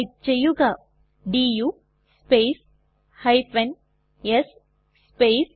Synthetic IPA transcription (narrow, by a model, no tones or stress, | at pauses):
t͡ʃejːuɡaː | ɖiːjuː | sspeːs | hɐjpɐn | jes | speːs